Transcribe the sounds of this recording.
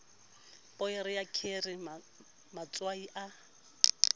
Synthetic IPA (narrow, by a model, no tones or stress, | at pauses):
pʼɔɪɾɪjakʰerɪ | mat͡sʼwaiʔa